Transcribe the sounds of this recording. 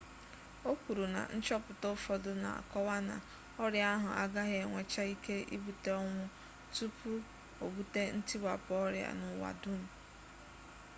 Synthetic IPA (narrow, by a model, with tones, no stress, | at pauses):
o˦kʷu˨ɾu˨na̰˨n̩˦t͡ʃɔ˦pʊ˨to˦fɔ˨dʊ˦na̰˨a̰˨kɔ˦wa˦na̰˨ | ɔ˦ɾja˦ɦʊ˨ʔa˦ɡa˦ɦe˨ŋʷe˨t͡ʃa˦i˦ke˦ḭ˦bu˨te˦ɔ˦ŋʷʊ˦ | tu˦pu˦ | o˨bu˦te˦n̩˦ti˦ɡ͡ba̰˨pɔ˦ɾja̰˨nʊ˨wa̰˨dʊ˦m̩˨